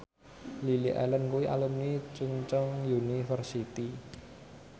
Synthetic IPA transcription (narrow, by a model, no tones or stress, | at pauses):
liliʔɛ̰lənkuwiʔa̰lumnit͡ʃuŋt͡ʃɔŋjunifərsit̪i